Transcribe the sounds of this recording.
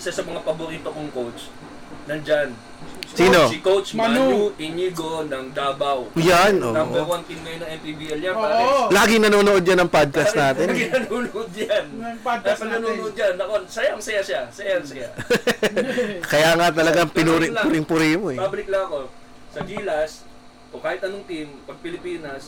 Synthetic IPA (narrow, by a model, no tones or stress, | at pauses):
sɐsɐmɐŋapɐbʊɾiːt̪okoŋkowt͡ʃ | nɐŋd͡ʒan | ssiːno̞sɪkowt͡ʃmʔɪniɡonɐŋd̪aːbɐwjannʔo̰ːaʔɛwant̪ɪnmɐjonɐŋɛnpibiʔɛljaaɾlaːɡɪŋnɐnoːnoʔo̞d̪̚d͡ʒɐnɐŋpad̪̚kɐsnaːt̪ɛnɡɪnɐnuːnoʔod̪̚d͡ʒanpad̪̚kɐnɐnuːnoʔod̪̚d͡ʒanːɐʔonsɐjaŋsɐjasasɐjaŋsɐja | kɐjaːŋat̪ɐlɐɡaŋpɪnuːɾɪŋʊɾɪŋpʊɾimoʔɛbabɐlɪk̚lɐŋɐko̞ | sɐɡiːlɐs | ʔokaːhɪt̪ɐnoŋt̪impɐɡ̚pɪlɪpiːnɐs